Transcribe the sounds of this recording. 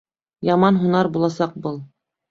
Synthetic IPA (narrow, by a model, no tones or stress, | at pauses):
jɑmɑnɦunɑɾbulˠɑsɑq̚bɤlˠ